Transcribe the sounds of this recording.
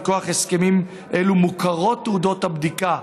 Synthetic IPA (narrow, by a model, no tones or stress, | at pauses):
ko̞aχe̞ske̞mim | ʔelumukaʁo̞tːeud̪o̞t̪habd̪ika